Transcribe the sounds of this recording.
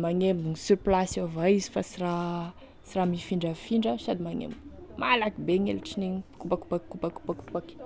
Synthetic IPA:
maŋeminisyɾplasovaizi̥fasira | siramifiɳɖ͡ʐəfiɳɖ͡ʐəsad̪imaŋḛmmalakibeŋḛlʈ͡ʂiniɲkupaku̥pakkupaku̥pakupaki̥

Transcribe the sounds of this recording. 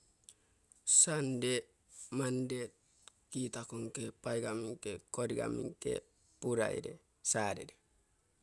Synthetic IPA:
sande | mande | kitakoŋkepajɡamiŋkekoɾiɡa̰miŋkḛ | puɾa̰ḭɾḛ | saɾḛɾe

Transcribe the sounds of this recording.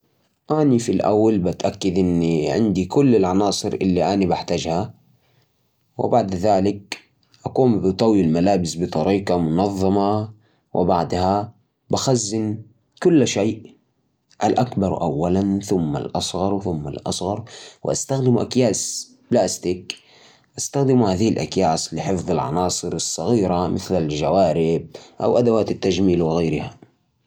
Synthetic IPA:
ʔanifilʔa̰wːalbat̪ʔakːad̪ʔɪnːiʕɪ̰nd̪ikʊlːalʕɑnɑːsˤɨɾʔɪ̰lːiʔanibaħt̪ad͡ʒha | wɪ̰baʕd̪ðaːlɪk̚ | ʔakuːmbɪt̪ˤɑwilmalaːbɪsbɨt̪ˤɑɾiːqɑmʊnɑðˤːɑmɑ | wɪ̰baʕd̪ha | baxazːɪn | kʊlːʃeːʔ | ʔalʔakbɑɾˤʔa̰wːalanθʊmːa̰lʔɑsˤɣɑɾˤwθʊmːa̰lʔɑ̰sˤɣɑɾˤwɪ̰ʔast̪axd̪ɪmuʔakjaːs | plaːst̪ɪk | ʔast̪axd̪ɪmuhaːðɪhɪlʔa̰kjaːslɪħɨfðˤɪlʕɑ̰nɑːsˤɨɾɨsˤːɑɣiːɾamɪθlalʒawaːɾɪb̚ʔa̰wʔad̪awaːt̪ɪt̪ːaʒmiːlwɪɣajɾɪha

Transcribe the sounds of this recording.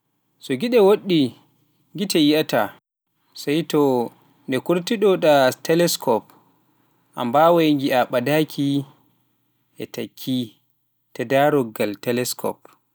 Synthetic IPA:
sɔɡiɗɛwoɗːi | ŋɡitɛjiata | sajtɔ | ndɛkuɾtiɗɔɗatɛlɛskɔp | ʔa̰mbawajŋɡiaɓadakʰi | ʔɛtakʰːi | tɛdaɾɔɡaltɛlɛskʰɔ̰p̚

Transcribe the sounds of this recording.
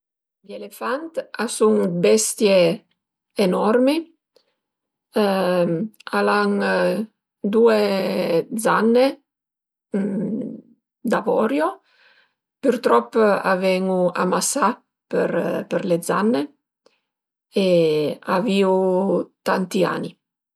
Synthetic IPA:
ʎelefant̪asuŋbɛst̪jeː | nɔrmi | alaŋ | d̪ue | d̪zanːe | d̪avɔ̰ɾjo | peɾt̪ɾɔpːa̰vɛŋua̰masa | peɾpeɾled̪za̰nːe | eaviut̪ant̪ia̰ni

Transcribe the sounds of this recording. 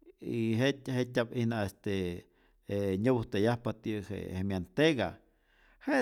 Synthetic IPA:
iɦethet̪ʲapihnaest̪e | eɲəbuht̪ejahpat̪ihḛhemjant̪eɡa | he

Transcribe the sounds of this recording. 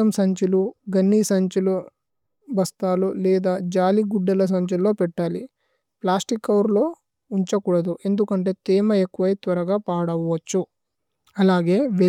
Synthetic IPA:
ɐmsɐɲt͡ʃuluɡɐnːiːsɐɲt͡ʃulu | bʱɐst̪aːlulɛːd̪aːd͡ʒaːliɡuɖːɐlɐs̬ɐɲt͡ʃulo̞ːpɛʈːaːli | plaːsʈikːɐwɾlo̞ː | uɲt͡ʃɐkuɽɐd̪uʔe̞nd̪ukɐɳʈe̞ːt̪iːmɐekːuʋɐjt̪ʋɐɾɐɡaːpaːɽɐʋːɐt͡ʃːu | ɐlaːɡe̞ːʋe

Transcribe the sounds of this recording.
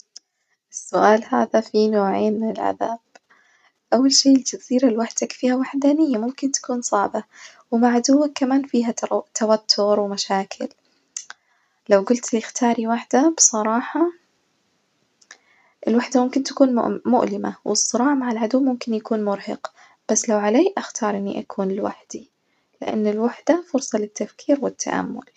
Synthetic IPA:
ʔɪsːʊʔaːlhaːðafinoːʕeːnmɪnɪlʕa̰ðaːb̥̚ | ʔawːalʃeːɪld͡ʒaziːɾalwaħd̪akfiːhawaħd̪aːnɪjːamʊmkɪnt̪ḁkuːnsˤɑʕba | wɪmaʕad̪uwːakːamaːnfiːɦat̪awat̪ʰːʊɾwɪmaʃaːkʰɪ̰l | lawɡʊlt̪lɪxt̪ʰɑːɾiwaħd̪abɨsˤɑɾˤɑːħɑ | ʔɪlwaħd̪amʊmkɪnt̪ḁkuːnm̰ʔmʊ̰ʔlɪmawʔɨsˤːɨɾˤɑːʕmaʕalʕad̪ʊwːmʊmkɪnjakuːnmʊɾhɑ̰q | b̥asːlawʕaleːʔaxt̪ʰɑːɾˤʔɪnːḭʔakʰuːnɪlwaħd̪̥i | lɪʔa̰nːɪlwaħd̪afʊɾsˤɑlɪt̪ʰːafkʰiːɾwɪt̪ʰːa̰ʔa̰mːʊ̰l

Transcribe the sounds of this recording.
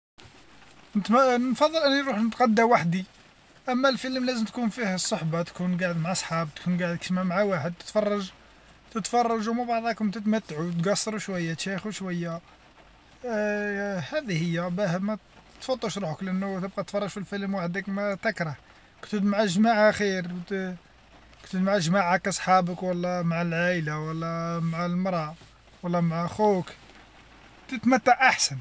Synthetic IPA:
nt̪mnnfɑd̪ˤːəlʔənːiɾˤuħnət̪qɑd̪ːæwaħd̪i | ʔæmːælfələmlæzəmt̪kunfihæsˤːoħbɑt̪kunɡaʕəd̪maʕasˤħɑb̚t̪kunɡaʕəd̪kʃmamaʕawaħəd̪̚t̪ə̥t̪fɑrˤːɑʒ | t̪ət̪fɑrˤːɑʒumæbɑʕd̪ˤɑkʊmt̪ət̪mæt̪ːaʕut̪ɡɑsˤːɑɾˤuʃwæjːæt̪ʃixuʃwæjːæ | hæd̪ihəjːæbæhəbmæ | t̪fɑd̪ˤːuʃɾˤuħəklʔænːʊt̪əb̚qɑt̪t̪fɑrˤːɑʒfilfəlmwaħəd̪əkmæt̪əkɾˤɑh | kt̪əd̪maʕəʒmaʕaxiɾ | kt̪əd̪mʕəʒmaʕakːæsˤħɑbəkwəlːæmaʕalʕalawəlːæmaʕalmɾˤɑ | wəlːɑmaʕaxuk | t̪ət̪mæt̪ːaʕʔaħsən

